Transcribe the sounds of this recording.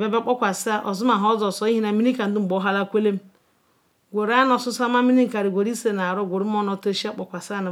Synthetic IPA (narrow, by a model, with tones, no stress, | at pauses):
be˦˨ba˦k͡po˦kʷa˨sa˦ʔo˨zu˦ma˨ɦɔ˦zo˨so˨˦i˦i˦na˨mi˦ni˦ka˨n̩˦du˦m̩˨ɡ͡bo˨˦ɦa˦la˦kʷe˦le˦m˦ | ɡʷo˨ɾa˦no˨su˦sa˦ma˦mi˦ni˦ŋ̩˨ka˨ɾi˨ɡʷo˨ɾi˦se˦˨na˨ɾo˦˨ɡʷo˨ɾi˦m˦o˦no˦to˦ʃa˦k͡po˨kʷa˨sa˦˨na˨